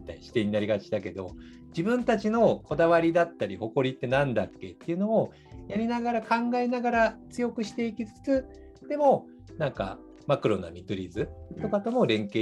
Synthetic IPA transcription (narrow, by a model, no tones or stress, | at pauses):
t̪aiɕi̥t̪e̞ɲ̟inaɾʲiɡat͡ɕid̪ake̞d̪o̞̰ | d͡ʑibɯ̟̃nt̪at͡ɕino̞ko̞d̪aβaɾʲid̪at̪ːaɾʲiho̞ko̞ɾʲit̪ːe̞nãnd̪akːe̞t̪ːeiɯ̟no̞ː | jaɾʲinaɡaɾakãŋɡae̞naɡaɾat͡sɨjo̞kɯ̟ɕi̥t̪e̞ikʲit͡sɨ̥t͡sɨ | d̪̥e̞mo̞ | nãŋka̰ | makɯ̟ɾo̞na̰mʲit̪oɾʲizɨt̪o̞kat̪o̞mo̞ɾẽ̞ŋkeː